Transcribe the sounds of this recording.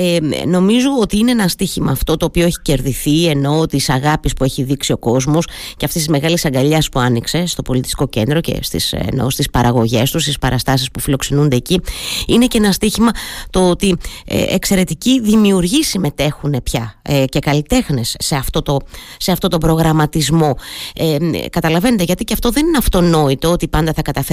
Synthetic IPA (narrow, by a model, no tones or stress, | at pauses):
eno̞mizoot̪iine̞enɐst̪içimɐːft̪o̞t̪o̞ːpioeçi̥ce̞ɾðiθie̞no̞t̪isɐɣɐpispue̞çiðiksio̞ko̞zmosce̞ɐftist̪izme̞ɣɐlisɐŋɡɐʎɐspuɐnikse̞st̪o̞po̞lit̪i̥st̪i̥ko̞ce̞nd̪ɾo̞ce̞̰st̪ḭsḛno̞̰st̪ispɐɾɐɣo̞ʝe̞st̪ust̪ispɐɾʔɐst̪ɐsispufilo̞ksenund̪e̞ːciine̞cenɐst̪içimɐt̪o̞ot̪iḛḛkse̞ɾe̞t̪iciðimiuɾʝisime̞t̪e̞xune̞pçɐce̞kɐlit̪e̞xne̞sːe̞ɐft̪o̞t̪o̞se̞ɐft̪o̞t̪o̞bɾo̞ɣɾɐmɐt̪izmo̞ekɐt̪ɐlɐve̞net̪eʝɐt̪iceɐft̪o̞ðe̞nineɐft̪o̞no̞it̪o̞ot̪ipɐnd̪ɐθɐkɐt̪ɐf